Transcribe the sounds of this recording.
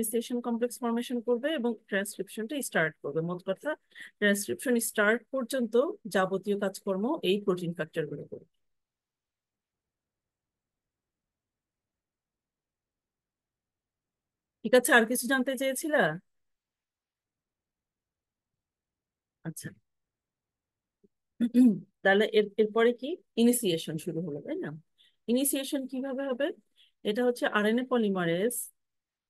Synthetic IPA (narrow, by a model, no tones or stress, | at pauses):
isʈeʃonkɔmpleksfɔɾmeʃonkoɾbeeboŋʈɾanskɾipʃonʈisʈaɾʈ̚koɾbemɔt̪okaɾt̪ʰa | ʈɾanskɾipʃonisʈaɾʈ̚pɔɾd͡ʑont̪od͡ʑabot̪iokad͡ʑkɔɾmoʔejpɾoʈinfak̚t͡ɕaɾɡuloko̰ɾbe | ikat͡ɕʰeaɾkit͡ɕʰud͡ʑant̪et͡ɕajet͡ɕʰila | atːɕʰa | t̪alaʔeɾeɾpɔɾeki | inisieʃonʃuɾuɦolokajna | inisieʃonkibʱabeɦɔbe | eʈaɦotːɕʰeʔaɾenepɔlimaɾes